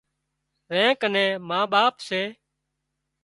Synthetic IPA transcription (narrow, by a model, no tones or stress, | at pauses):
ɾɛ̃ːkənẽːmãːɓaːpseː